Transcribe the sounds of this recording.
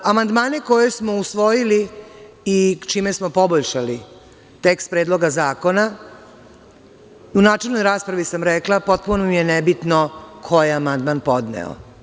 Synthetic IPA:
amand̪maːneko̞je̞smo̞usʋo̞jili | it͡ʃiːmesmo̞po̞boʎʃali | t̪ekst̪̚pɾe̞ːd̪lˠo̞ɡazaːko̞na | unaːt͡ʃelnojɾaːspɾaʋisamɾɛklapo̞t̪̚punomijenebit̪nokʰo̞jeamand̪manpo̞d̪nḛo̰

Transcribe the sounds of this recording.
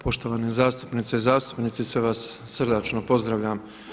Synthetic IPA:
pʰo̞ʃt̪o̞ʋaːnezaːst̪upnit̪seizaːst̪u̥pnit̪sisʋeʋasː | r̩d̪at͡ʃnopo̞zd̪ɾaʋʎʲam

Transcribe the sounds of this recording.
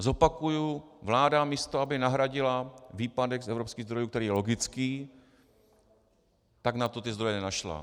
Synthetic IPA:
zo̞pakujuvlaːdamiːst̪oabɪnaɦɾaɟɪlaviːpadɛɡsɛvɾopskiːɣzd̪ɾo̞jukt̪ɛɾiːjɛlo̞ɡɪt͡skiː | t̪aɡnat̪o̞t̪ɪzd̪ɾo̞jɛnɛnaʃla̰

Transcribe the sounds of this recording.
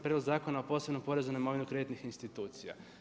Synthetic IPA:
pɾed̪loɡzaːko̞naopo̞ːseno̞mpo̞ɾezunemo̞ʋinukɾe̞t̪nixinst̪it̪uːt̪sija̰

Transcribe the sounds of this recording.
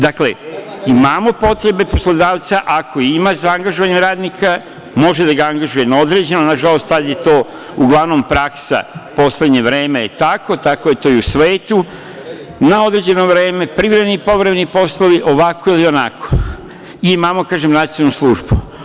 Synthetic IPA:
d̪akle̞̰imaːmo̞po̞t̪ɾe̞be̞po̞slod̪aːʋt̪saʔakʰo̞imasaaŋɡaʒoʋaɲe̞mɾaːd̪nikʰa | mo̞ʒe̞d̪aɡaaŋɡaʒuje̞nao̞d̪ɾe̞d͡ʑe̞nonaʒalo̞st̪ːad̪je̞t̪o̞ː | uɡlˠaʋno̞mpɾaksa̰po̞sled̪ɲe̞ʋɾe̞ːmejet̪ako̞t̪ako̞je̞t̪o̞iusʋe̞ːt̪u | nao̞d̪ɾe̞d͡ʑe̞no̞ʋɾe̞ːme̞pɾiʋɾemenipo̞ʋɾemenipo̞sloʋiʔo̞ʋako̞ilio̞na̰kʰo̥ | iimaːmo̞kaːʒemnat̪ijonuslˠuʒbu

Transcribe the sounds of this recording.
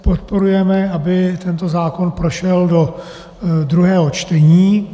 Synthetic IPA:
pot̪̚po̞ɾujɛmɛabɪt̪ɛnt̪o̞zaːko̞npɾoʃɛldo̞ | d̪ɾuɦɛːɦot͡ʃt̪ɛɲiː

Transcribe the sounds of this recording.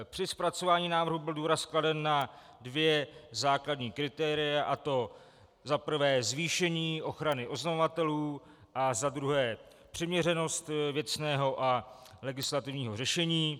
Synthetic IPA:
pr̥ɪspɾat͡so̞vaːɲiːnaːvr̩ɦubɪlduːɾaskladɛnːa | dvjɛzaːkladɲiːkɾɪt̪ɛːɾɪjaʔat̪o̞ | zapr̩vɛːzviːʃɛɲiːʔo̞xɾanɪʔo̞znamovat̪ɛluː | ʔazad̪ɾuɦɛː | pr̥ɪmɲɛrɛno̞st̪vjɛt͡snɛːɦo̞ʔa | lɛɡɪslat̪ɪvɲiːɦo̞rɛʃɛɲiː

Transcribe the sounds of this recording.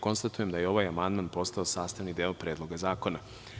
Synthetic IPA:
ko̞nst̪at̪ujemd̪ajeo̞ʋajamand̪manpo̞st̪ao̞saːst̪aʋnid̪eːopɾe̞ːd̪lˠo̞ɡazaːko̞na

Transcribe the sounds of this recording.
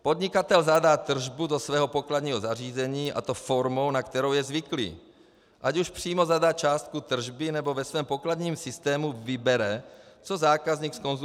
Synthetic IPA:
po̞d̪ɲɪkat̪ɛlzadaːt̪r̩ʒbudosvɛːɦopoklad̪ɲiːɦozariːzɛɲiːʔa̰t̪ofo̞ɾmo̞wnakt̪ɛɾowjɛzvɪklḭː | ʔacuʃpr̝̥iːmo̞zadaːt͡ʃaːst̪̚kut̪r̩ʒbɪnɛbo̞vɛsvɛːmpoklad̪ɲiːmsɪst̪ɛːmuvɪbɛɾɛt͡sozaːkazɲiːksko̞nz

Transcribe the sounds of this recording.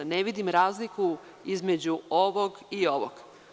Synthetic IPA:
neʋid̪imɾaːzliku | izmed͡ʑuoʋoɡio̞ʋo̰ɡ̥

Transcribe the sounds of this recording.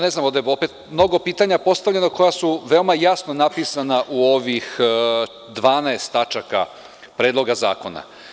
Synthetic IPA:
ne̞znamod̪ajopet̪mno̞ɡo̞piːt̪aɲapo̞st̪aʋʎe̞noko̞jasuʋe̞omajasnonapisanaʔuo̞ʋix | d̪ʋaːnaest̪at͡ʃaka̰ | pɾeːd̪lˠo̞ɡaza̰ːko̞na̰

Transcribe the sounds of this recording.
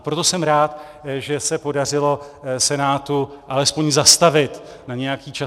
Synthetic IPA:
pɾo̞t̪o̞sɛmɾaːt̪ | ʒɛsɛpo̞dar̝ɪlo̞sɛnaːt̪uʔalɛspo̞ɲzast̪avɪt̪naɲɛjakiːt͡ʃa

